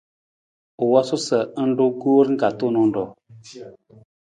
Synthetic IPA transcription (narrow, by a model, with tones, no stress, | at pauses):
u˨wɔ˦su˦sə˨˦n̩˦du˦ɡo˦ɾŋ̩˦ka˨tu˦˨nɔ˦n̩˦dɔ˨